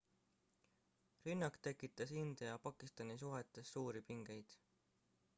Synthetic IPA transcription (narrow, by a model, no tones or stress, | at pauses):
rynːɑkt̪e̞kːˑit̪ˑːɑsind̪ɑjɑpɑkˑist̪ɑnis̬uɦet̪ːˑesːuːɾipiŋɡ̥e̞jd̪̥